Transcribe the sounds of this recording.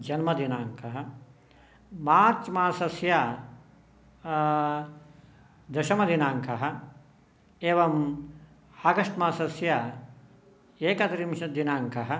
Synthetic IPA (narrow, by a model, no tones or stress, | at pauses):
d͡ʒɐnmɐd̪inaːŋkʰɐɦɐ̆ | maːɾt͡ʃmaːsɐsja | d̪ɐʃɐmɐd̪inaːŋkʰɐɦɐ̆ | eːʋɐm | haɡɐʂʈmaːsɐsja | eːkɐt̪ɾimʃɐd̪inaːŋkɐɦɐ̆